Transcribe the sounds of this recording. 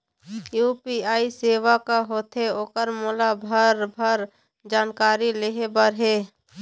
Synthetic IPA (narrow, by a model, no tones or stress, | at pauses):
juːpiaːiseːʋakaɦoːt̪ʰeoːkəɾmoːlabʱəɾbʱəɾ | d͡ʒaːnkaːɾileɦebəɾɦeː